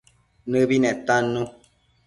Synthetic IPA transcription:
nɨ̃binɛ̃t̪anũ

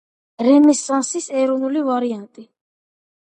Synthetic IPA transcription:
ɾɛmɛsansisɛɾɔnulivaɾiant̪ʼi

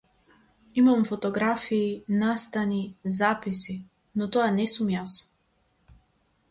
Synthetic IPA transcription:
imamfɔt̪ɔɡɾafiːnast̪anizapisi | nɔt̪ɔanɛsumjas

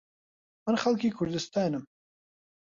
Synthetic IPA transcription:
mənxalkikʰʊɾd̪ɪst̪ɑːnəm

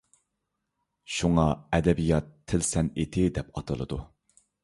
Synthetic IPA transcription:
ʃuŋɑɛd̪ɛbijɑt̪ʰːɪlsɛnet̪ʰɪd̪ɛpɑt̪ʰɨlˠɨ̰d̪u

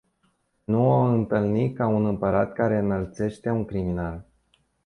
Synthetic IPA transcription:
nuaɨnt̪ɨlnikaunɨmpəɾat̪kaɾe̞ɨnəlt̪se̞ʃt̪e̞uŋkɾiminal

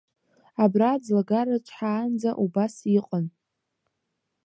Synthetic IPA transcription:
abrad͡zlaɡarat͡ʃʷʰʼħaːnd͡zaʔubasiqʼən

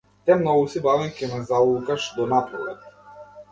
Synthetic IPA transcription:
t̪ɛmnɔɡusibavɛŋkʲɛnazaukaʃd̪ɔnap̪ɾɔlɛt̪

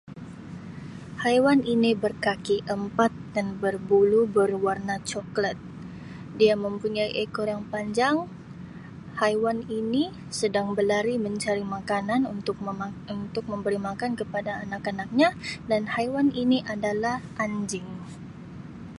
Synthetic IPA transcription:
hajwaninibərkakiʔəmpat̪̚danbərbulubərwarnat͡ʃɔklət̪̚ | diaməmpuɲajʔekɔrjaŋpaɲd͡ʒaŋ | hajwanini | sədaŋbəlaɾiməɲt͡ʃaɾimakananunt̪ʊk̚unt̪ʊk̚məmbəɾimakankəpadaːnakanak̚ɲadanhajwaniniʔadalahʔaɲd͡ʒɪŋ

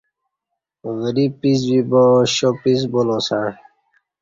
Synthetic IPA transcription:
ɣəɾipiz̬bibɔ̃ːɕoːpiz̬bolõːsãː

